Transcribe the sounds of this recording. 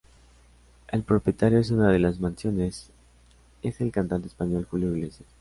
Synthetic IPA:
e̞lpɾo̞pje̞t̪aɾjo̞es̬unað̞e̞lazmãnsjo̞nes | e̞se̞lkant̪ant̪espaɲo̞lxuljoiɣlesjes

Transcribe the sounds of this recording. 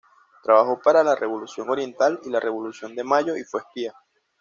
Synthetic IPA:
t̪ɾaβaxo̞paɾalarʔe̞βo̞lusjo̞ŋo̞ɾje̞nt̪alilarʔe̞βo̞lusjo̞nd̪e̞maʝo̞ifwe̞hpia

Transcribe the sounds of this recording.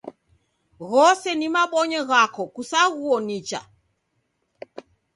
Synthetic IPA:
ɣɔsɛnimaɓɔɲɛɣakɔkusaɣuɔnit͡ʃa̰

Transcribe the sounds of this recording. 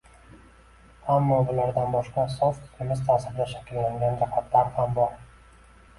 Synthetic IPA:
hamːɒbʊlaɾd̪anbɒʃqɑsɒsqɪ̥t̪ʰɪmɪzt̪ʰaːsɪɾd̪aʃḁkʲɪllaŋɡʲand͡ʒɑhʰat̪ʰlaɾhambɒɾ

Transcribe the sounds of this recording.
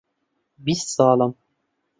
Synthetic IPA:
bissɑːlɤm

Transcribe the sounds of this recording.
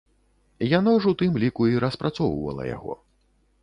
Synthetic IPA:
janawʐwt̪ɨmlʲikuiɾɐspɾʔat̪sɔwvɐ̰lˠɐ̰ja̰ɣɔ̰

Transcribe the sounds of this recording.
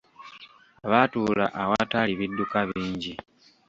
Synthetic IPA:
aβatuːla̰ʔawataliβidːukaβiːɲɟi

